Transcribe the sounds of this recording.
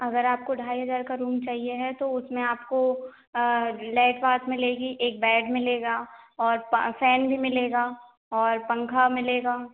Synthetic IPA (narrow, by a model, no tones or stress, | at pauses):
ɐɡəɾaːp̚koɖʱaːiɦɐzaːɾkaɾuːmt͡ʃaːɦieɦɛt̪oʊsmẽaːp̚ko | lɛːʈbaːt̪mɪleːɡiʔeːk̚bɛːɖmɪleːɡaːɔːɾfɛːnbʱimɪleːɡaː | ɔːɾpɐ̃ŋkʰamɪleːɡaː